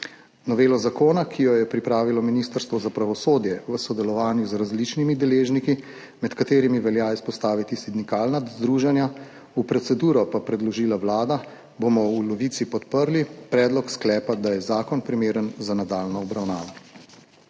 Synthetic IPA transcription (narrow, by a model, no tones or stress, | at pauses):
nɔʋeːlɔzakoːnakʰijɔjɛpɾipɾaːʋilɔminist̪əɾst̪ʋɔzapɾaʋɔsoːd̪jɛʋəsɔd̪ɛlɔʋaːnjuzɾazlit͡ʃnimid̪ɛleːʒniki | mɛt̪kat̪eːɾimiʋɛljaispɔst̪aːʋit̪isid̪ikaːlnazd̪ɾuːʒɛnja | upɾɔt̪sɛd̪uːɾɔpapɾɛd̪lɔʒiːlawlaːd̪a | bomɔulɔʋit̪sipɔt̪pəɾlipɾɛːd̪lɔksklɛːpad̪ajɛzaːkɔnpɾimeːɾənzanad̪aːlnɔːbɾawnaːʋɔ